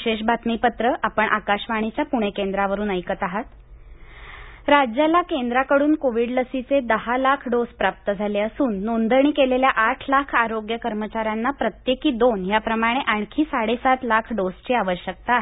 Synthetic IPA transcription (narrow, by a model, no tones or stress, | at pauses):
ɕeɕbʱat̪mipət̪ɾəʔapəɳʔakaɕʋaɽ̃it͡ɕjapuɽ̃ekend̪ɾaʋəɾuːnəjkət̪aɦat̪ | ɾad͡ʑjalakend̪ɾakəɽuːnkoʋiɽləsit͡sed̪əɦalakʰɖospɾap̚t̪əd͡zʱaleəsuːnːond̪əɳ̃iːkeleljaʔaʈʰlakʰaɾoɡjəkəɾmət͡ɕaɾjanːapɾət̪jekiːd̪onɦjapɾəmaɽ̃eʔaɳ̃kʰiːsaɽesat̪lakʰɖost͡ɕeaʋəɕjək̚t̪aːɦe